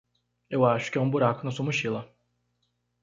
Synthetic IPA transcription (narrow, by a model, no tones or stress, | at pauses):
ewaːʃu̥kʲumbuɾakʰɯnasumuʃilˠa